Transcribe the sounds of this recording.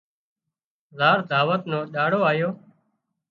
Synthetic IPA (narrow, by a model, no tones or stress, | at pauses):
zaːɾd̪ʱaːʋət̪nõːɗaːɽoːaːjoː